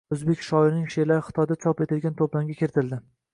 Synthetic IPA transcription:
ɵzbekʲʃɒɪɾnɪŋʃelaɾɪχɪ̥t̪ʰɒjd̪at͡ʃʰɒpet̪ɪlɡʲant̪ʰoplaŋɡʲakʲʰeɾt̪ʰɪld̪ɪ

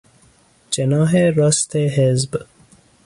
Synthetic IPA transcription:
t͡ʃenɑːɦeɾɔst̪eɦezb

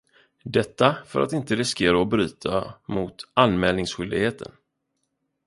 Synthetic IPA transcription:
d̪ɛt̪ːafœ̰ɾʔa̰t̪ɪnt̪əɾɪskeːɾaɔbɾyːt̪ʰamʊt̪anmɛːlnɪŋsɧʏld̪ɪɡheːt̪ʰə̰n

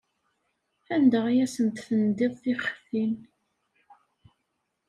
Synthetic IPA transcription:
ænd̪əʁjæsənt̪θənd̪eðˤθiχθin

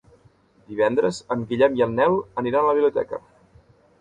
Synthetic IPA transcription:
d̪iβ̞ɛnd̪ɾəzəmɡiʎɛmiəlˠnɛwəniɾanələβiβlut̪ɛ̰kə̰

